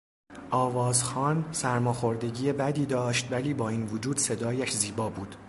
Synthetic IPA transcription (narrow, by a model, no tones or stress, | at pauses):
ʔɒːvɒːzxɒːnsæɾmɒːxo̞ɾd̪e̞ɟiːjebæd̪iːd̪ɒːʃt̪væliːbɒːiːnvod͡ʒuːd̪se̞d̪ɒːjæʃziːbɒːbuːd̪̥